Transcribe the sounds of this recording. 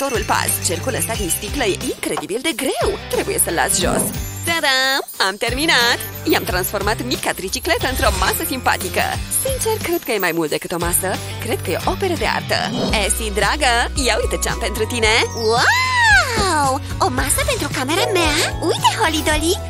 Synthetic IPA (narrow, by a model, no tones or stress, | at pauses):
t̪o̞ɾulpa̰st͡ʃerkuləst̪ad̪inst̪ikləjeʔiŋkɾe̞d̪ibild̪e̞ɡɾe̞wt̪ɾe̞buje̞səlːa̰t̪sʒo̰ssad̪aamt̪erminat̪ | jamt̪ɾansfo̞rmat̪mikat̪ɾit͡ʃiklet̪əɨnt̪ɾomasəsimpa̰t̪ikə̰sint͡ʃerkɾed̪̚kəjemajmult̪̚d̪e̞kɨt̪o̞masə | kɾe̞d̪̥̚kəjeo̞̰ʔope̞ɾəd̪ea̰rt̪ə̰esid̪ɾaɡəjaujt̪ət͡ʃea̰mpe̞nt̪ɾut̪ine̞wa | w | o̞masəpe̞nt̪ɾukame̞ɾameaujt̪eholid̪oli